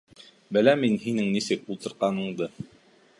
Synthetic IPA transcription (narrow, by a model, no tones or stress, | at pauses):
bɘ̆læminɦinɘŋnisɘkulˠt̪ɤ̆ɾqɑnɤ̆ɴd̪ɤ